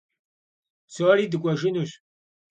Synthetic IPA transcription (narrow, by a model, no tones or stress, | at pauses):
soɾiːdɨkʷʼɔʒɪnuɕʼ